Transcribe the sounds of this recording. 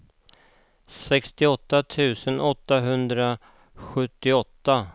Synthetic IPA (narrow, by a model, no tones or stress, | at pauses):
sɛkst̪ɪɔt̪ːat̪ʰʉ̟ːsənʔɔt̪ːaɦɵnd̪ɾa | ɧɵt̪ːɪɔt̪ːa